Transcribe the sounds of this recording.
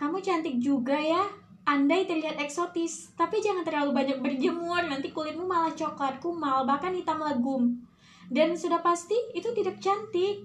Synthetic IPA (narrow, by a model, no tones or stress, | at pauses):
kamut͡ʃant̪ɪk̚d͡ʒuɡaja | ʔandajt̪ərliɦat̪ɛksot̪ɪst̪apid͡ʒaŋant̪ərlalubaɲak̚bərd͡ʒəmʊrnant̪ikulɪt̪̚mumalaht͡ʃoklat̪̚kumalbahkanhit̪amləɡʊm | dansudahpast̪iːt̪ut̪idak̚t͡ʃant̪ɪk̚